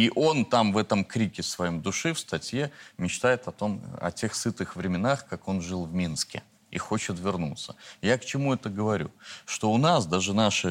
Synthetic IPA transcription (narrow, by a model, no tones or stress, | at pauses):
iʔo̞nt̪amvɛt̪əmkɾʲikʲɪsvɐjomd̪ʊʂɨfst̪ɐtʲje̞mʲɪt͡ɕt̪ajɪt̪ɐt̪o̞mɐ̰tʲe̞xsɨt̪ɨxvɾʲɪmʲɪnaxkako̞nʐɨlˠvmʲinskʲɪ̰ | ḭxo̞t͡ɕɪt̪vʲɪrnut̪sːə̥jakt͡ɕɪmuɛt̪əɡəvɐɾʲṵʂt̪o̞ʊnasd̪aʐɨnaʂɨ